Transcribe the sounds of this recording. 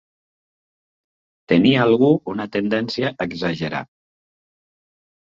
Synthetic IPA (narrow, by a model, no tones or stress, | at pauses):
t̪əniːlˠɣuunət̪end̪ɛnsiaʔəɡzaʒəɾa̰